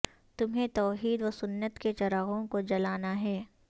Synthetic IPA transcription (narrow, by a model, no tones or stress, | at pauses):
t̪ʊmɦẽt̪ɔːɦiːd̪ʋɐsʊnːət̪ket͡ʃɐɾəɣõkod͡ʒɐlaːnaɦɛː